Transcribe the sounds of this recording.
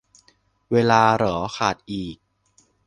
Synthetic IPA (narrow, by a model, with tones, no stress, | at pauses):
weː˧laː˧ɾɔː˩˦kʰaː˨˩t̪̚ʔiː˨˩k̚